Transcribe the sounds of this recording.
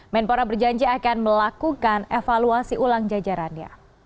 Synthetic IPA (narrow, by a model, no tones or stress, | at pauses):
mɛnpoɾabərd͡ʒaɲd͡ʒiakanməlakukanefaluasiʔulaŋd͡ʒad͡ʒaɾanɲa̰